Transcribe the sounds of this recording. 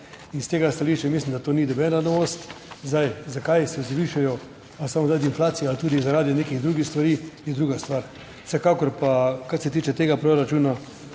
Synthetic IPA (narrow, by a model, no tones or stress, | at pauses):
inst̪eɡast̪aliːʃt͡ʃɛmislʲimd̪at̪oːnid̪ɔbɛːnanost̪zd̪ajzakajsɛzʋiːʃajɔ | asamɔzd̪ajd̪inflaːt̪sijɛalt̪uːd̪izaɾaːd̪ineːkiɣd̪ɾuːɡixst̪ʋaɾijɛd̪ɾuːɡast̪ʋaɾ | sɛkakɔɾpakaɾsɛt̪iːt͡ʃɛt̪eːɡapɾoɾat͡ʃuːna